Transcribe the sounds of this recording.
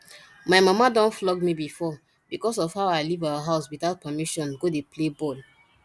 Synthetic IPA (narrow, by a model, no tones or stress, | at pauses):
maɪmamadɔ̃nflɔɡmibifɔ | bikɔs̬ɔvhaʊaɪlivawaɦaʊswitaʊt̚pɛmiʃɔ̃nɡodeplebɔl